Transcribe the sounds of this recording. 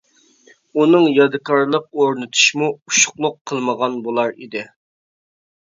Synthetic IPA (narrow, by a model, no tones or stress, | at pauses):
unɨŋjɑd̪ɨkʰɑɾlˠəq̚oɾnɨt̪ʰu̥ʃmuuʃʊ̥χlˠʊqʰːəlˠməʁɑnbolˠɑɾḭd̪ɪ